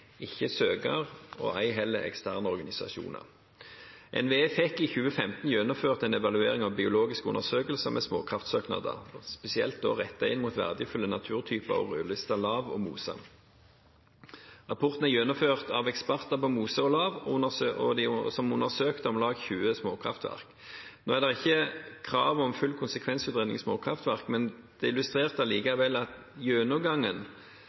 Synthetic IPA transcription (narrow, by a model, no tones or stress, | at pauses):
ɪçːəsøːɡəʁɔ̰ːæɪɦɛlːəʔɛ̰kst̪ʰæːʁnəɔʁɡɑnɪsɑ̰ʃṵːnə̰ʁ | ʔɛ̰nʋeːeːfɛkːiçʉːəfɛmt̪n̩jœnɔføːʁt̪ɛnɛʋɑlʉeːʁɪŋɑʋbɪʊloːɡɪskʉnːəʁsøːkəlsəmʔɛsmo̰ːkʰʁɑft̪søːknɑ̰d̪ə̰spɛsɪɛlt̪̚d̪oːʁɛt̪ːɑɪnmuːt̪ʋæ̰ʁd̪əfʉlːənɑt̪ʰʉːʁt̪ʰyːpə̰ʁɔ̰ʁøːlʏst̪ɑlɑːʋɔ̰mṵːsɑ̰ | ʁɑpʰɔʁt̪n̩æjøːnɔføːʁt̪ɑʋɛkspæʁt̪ɑpɔmuːsəɔlɑːʋɔ̰d̪ɪsɔmʊnəʁsøːkt̪əɔmlɑːɡçʉːəsmoːkʰʁɑ̰ft̪ʋæ̰ʁk | noːæʁd̪ɛʁɪçːəkʰʁɑːʋɔmfʉlkʰʊnsəkʰʋɛnsʉːt̪ʁɛnɪ̰ŋsmoːkʰʁɑft̪ʋæʁkmɛn | d̪̥ɛɪlʉst̪ʁeːʁt̪d̪ɑliːkɑʋɛlːɑt̪ | jøːnɔɡɑŋːən